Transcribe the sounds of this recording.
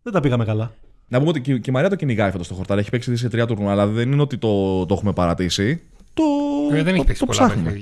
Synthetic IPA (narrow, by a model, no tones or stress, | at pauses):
ðed̪ɐpiɣɐmekɐlɐ | nɐpumeot̪iccimɐɾiɐt̪o̞ciniɣɐifot̪ost̪o̞xoɾt̪ɐɾe̞çi̥peksiðis̬et̪ɾiɐt̪uɾnuɐlɐðe̞nineo̞t̪it̪o̞t̪oe̞xume̞pɐɾɐt̪isi | t̪oðeneçipeksit̪opsɐxnume